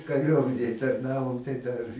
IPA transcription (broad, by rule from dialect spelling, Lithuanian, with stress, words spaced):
kɐˈrʲuɔmʲɛnʲeːj tɐrˈnɑːʋoːm tɐɪ dɐr